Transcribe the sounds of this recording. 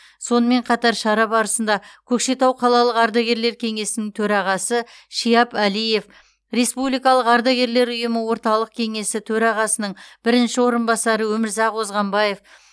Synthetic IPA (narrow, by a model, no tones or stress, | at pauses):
so̞nəme̞ɴqʰɑt̪ɑɾʃɑɾɑbɑɾəsənd̪ɑkʲʰɵkʃe̞t̪ɑwqʰɑlˠɑlˠəqɑɾd̪ɑɡʲe̞ɾle̞ɾkʲʰe̞ŋe̞sɪnɪŋt̪ʰɵɾɑʁɑsəʃijɑpælije̞f | ɾe̞spublijkɑlˠəqɑɾd̪ɑɡʲe̞ɾle̞ɾʊjəməwo̞ɾt̪ɑlˠəq̚kʲʰe̞ŋe̞sɪt̪ʰɵɾɑʁɑsənəɴb̥ɪɾɪnʃɪwo̞ɾənbɑsɑɾəwɵmɪɾzɑqwo̞zʁɑmbɑje̞f